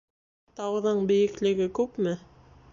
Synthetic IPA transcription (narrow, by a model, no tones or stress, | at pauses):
t̪ɑwðɤɴbɘ̆jɘ̆klɘ̆ɡɘkʉpmɘ